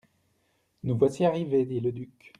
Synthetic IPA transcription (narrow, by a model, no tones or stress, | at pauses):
nuvwasiaʁived̪iləd̪yk